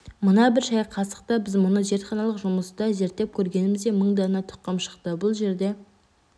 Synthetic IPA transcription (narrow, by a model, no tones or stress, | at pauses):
mənɑbɪɾʃɑjqʰɑsə̥qt̪ɑbɪzmʊnəʒe̞ɾt̪χɑnɑlˠəqʒʊməst̪ɑʒe̞ɾt̪ːe̞p̚kʲʰɵɾɡʲe̞nɪmɪzd̪eməɴd̪ɑnɑt̪ʰʊ̥qːɑmʃə̥qt̪əbʊlˠʒe̞ɾd̪e̞